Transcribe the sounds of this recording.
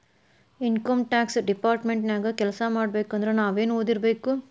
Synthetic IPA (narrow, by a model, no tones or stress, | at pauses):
inkɐmʈaːksɖipaːɾʈmeɳʈnaːɡɐkɛlɐsɐmaːɽbeːkɐnd̪ɾenaːʋeːnoːd̪iɾbe̞ːku